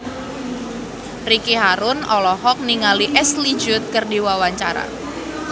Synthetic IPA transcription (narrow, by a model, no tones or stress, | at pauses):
rikiɦaɾʊnɔlɔhɔk̚niŋaliʔɛslid͡ʒʊt̪̚kɨrdiwawaɲt͡ʃaɾa̰